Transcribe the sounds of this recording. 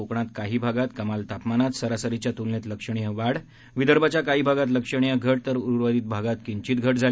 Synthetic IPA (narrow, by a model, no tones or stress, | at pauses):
okɳat̪kaɦiːbʱaɡat̪kəmalt̪apmanat̪səɾasəɾit͡ɕjat̪ulnet̪ləkʂəɳ̃ijəʋaɽ | ʋid̪əɾbʱat͡ɕjakaɦiːbʱaɡat̪ləkʂəɳ̃ijəɡʱəʈ̚t̪əɾuɾuɾʋəd̪iːt̪̚bʱaɡat̪kiɲt͡ɕiːt̪ɡʱəʈ̚d͡zʱal